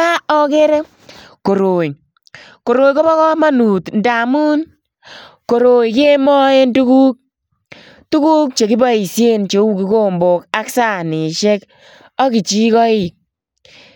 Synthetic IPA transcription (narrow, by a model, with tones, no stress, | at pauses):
a˦ɔ˦ke˦ɾe˦ | ko˨ɾo˨j | ko˨ɾo˨jko˦bɔ˦kɔ˦ma˦nu˨tnda˨mu˦n | ko˨ɾo˨jke˦mɔ˦e˦ndu˦ku˦k̚ | tu˦ku˦k̚t͡ʃe˨ki˦ba˦i˨sje˦nt͡ʃe˨˦u˦ki˨˦ko˦mbo˨ka˦ksa˦˨ni˨ʃɛ˦k | ɔ˦ki˨t͡ʃi˦kɔ˦i˦˨